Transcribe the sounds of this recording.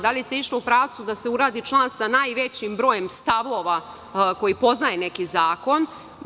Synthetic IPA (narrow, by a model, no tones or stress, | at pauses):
d̪aliseiʃloupɾaːʋt̪sud̪ase̞uɾaːd̪it͡ʃlˠaːnsanaːjʋe̞t͡ɕimbɾo̞ːje̞mst̪aʋoːʋa | ko̞jipo̞znaje̞ne̞kizaːko̞n